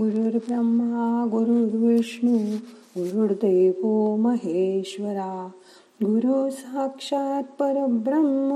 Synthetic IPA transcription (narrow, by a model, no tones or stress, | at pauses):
ɡuɾuɾbɾɐmːaɡuɾuɽʋiʂɳu | ɡuɾuɽd̪eːʋoːmɐɦeːʃʋɐɾaː | ɡuɾusɐɦɐkʂaːt̪̚pɐɾɐbɾɐmːɐ